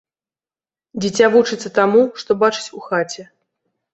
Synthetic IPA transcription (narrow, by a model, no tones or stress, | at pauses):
d͡zʲit͡sʲavut͡ʂɨt̪sːɐt̪amuʂt̪ɔbat͡ʂɨ̥t͡sʲuxat͡sʲɛ